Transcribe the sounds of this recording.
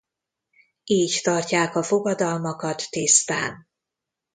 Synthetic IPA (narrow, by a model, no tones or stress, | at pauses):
iːct̪ɒrcaːkɒfo̞ɡɒd̪ɒlmɒkɒt̪ːist̪aːn